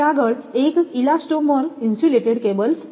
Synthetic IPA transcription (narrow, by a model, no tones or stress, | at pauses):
aɡəɭekilasʈomɔɾinsuleʈeɽkebəls